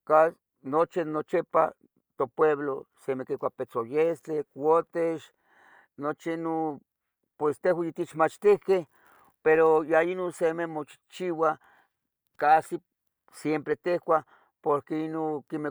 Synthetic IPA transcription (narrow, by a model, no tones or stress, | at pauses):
ka | not͡ʃinot͡ʃepa̰ | t̪opweβlosemekikʷapet͡sojest̪ekʷot̪eʃ | not͡ʃiino | pwest̪ehwajit̪it͡ʃmat͡ʃt̪ihkeh | peɾojainonsememot͡ʃi̥t͡ʃiwa | kasi | sjempɾet̪ehkʷa | poɾkeinokime